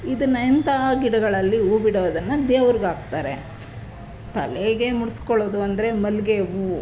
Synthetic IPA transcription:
id̪ɐnːɐint̪ɐɡiɽɐɡɐɭɐlːiuːbiɽɐːd̪ɐnːɐd̪eːʋɐɾiɡaːɡt̪aːɾe̞ | t̪ɐ̰leɡe̞muɽiskoɭoːd̪uɐnd̪ɐɾe̞mɐlɡeʋu

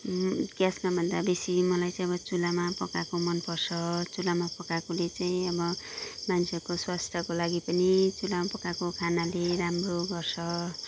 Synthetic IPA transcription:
ɡjasmabʱʌnd̪abesimʌlajt͡saĩʌbʌt͡sulamapʌkakomʌnpʌrsʰʌt͡sulamapʌkakolet͡saĩʌbʌmansʰekoswast̪ʰjʌkolaɡipʌnit͡sulamapʌkakokʰanaleɾamroɡʌrsʰʌ

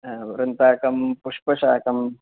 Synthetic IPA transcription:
ʋɾɐnt̪aːkɐmpuʂpɐʂaːkɐm

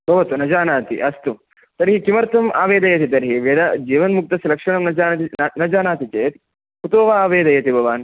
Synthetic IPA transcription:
bʱɐʋɐt̪unɐd͡ʒaːnaːt̪ḭʔɐst̪u | t̪ɐɾɦikimɐɾt̪ʰɐma̰ːʋeːd̪ɐjɐt̪̬it̪ɐɾɦiʋɐd̪ad͡ʒiːʋɐnmuk̚t̪ɐsɐɾɐkʂɐɳɐmnɐd͡ʒaːnt̪inɐd͡ʒaːnaːt̪it͡ʃeːt̪ | put̪oːʋaaːʋeːd̪ɐjɐt̪ibʱɐʋaːn

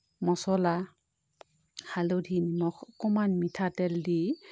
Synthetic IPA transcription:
mɔsɔla | halodʱinmɔkʰɔkɔmanmitʰatɛldi

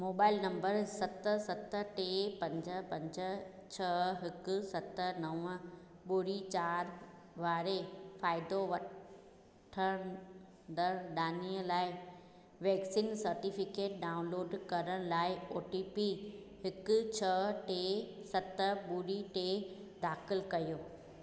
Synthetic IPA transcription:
moːbaːɪlnɐ̃mbəɾsɐt̪sɐt̪ʈeːpɐ̃ɲd͡ʑəpɐ̃ɲd͡ʑə | t͡ɕʰɐɦɪkʊ̆sɐt̪ənɐʋə̃ | ɓuɾit͡ɕaːɾ | ʋaːɾefaːɪd̪oʋɐ | ʈʰəɽ̃ | d̪əɾɗaːniəlaːɪ | ʋɛːksiːnsɐɾʈiːfɪkeːʈ̚ɖaːʊ̃nloːɖkɐɾəɽ̃laːɪoːʈiːpi | hɪkʊt͡ɕʰɐʈeːsɐt̪əɓʊɾiʈeːd̪aːxɪlkɐjoː

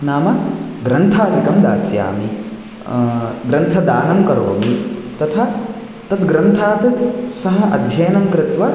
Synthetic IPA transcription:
naːmɐ | ɡɾɐnt̪ʰaːd̪ikɐmd̪aːsja̰ːmi | ɡɾɐnt̪ʰɐd̪aːnɐmkɐɾoːmit̪ɐt̪ʰɐ | t̪ɐt̪ɡɾɐnt̪ʰaːt̪ɐsɐɦɐʔɐd̪ʱjɐjɐnɐmkɾɪt̪ʋɐ

